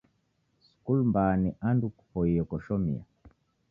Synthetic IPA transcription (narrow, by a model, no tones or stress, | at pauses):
su̥kulmbaniʔandukupɔijɔkɔʃɔmḭa̰